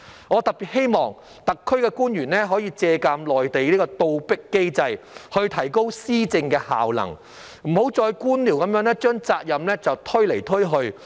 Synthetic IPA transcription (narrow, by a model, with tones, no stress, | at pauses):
ŋɔː˨˧t̪ɐ˨k̚piː˨˩t̚he˥jmɔː˨ŋ | t̪ɐ˨kʰːɵ˥ɥkɛː˧kuː˥njyː˨˩nɛː˥ɦɔː˨˥jiː˧t͡sɛː˧kaː˧mlɔː˨jt̪e˨jliː˥kɔː˧t̪o˧wpɪ˥kːe˥jt͡sɐ˧j | hɵ˧ɥt̪ʰɐ˨˩jko˥wsiː˥t͡sɪ˧ŋkɛː˧ha̰ː˨wlɐ̰˨˩ŋ | m̩˨˩ho˨˥wt͡sɔː˧jkuː˥nli˨˩wkɐ˨˧mjœː˨˥ŋnɛː˥t͡ʃœː˥ŋt͡saː˧k̚jɐ˨mlɛː˥t͡sɐ˨wt̪ʰɵ˥ɥle˨˩jt̪ʰɵ˥ɦɵ˧ɥ